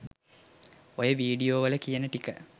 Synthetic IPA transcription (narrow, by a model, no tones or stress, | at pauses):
ojəʋiːɖijoːʋələkijənəʈikə